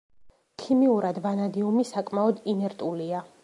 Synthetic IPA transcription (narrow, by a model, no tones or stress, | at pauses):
kʰimiuɾad̪vanad̪iumisakʼmaɔd̪inɛɾt̪ʼulia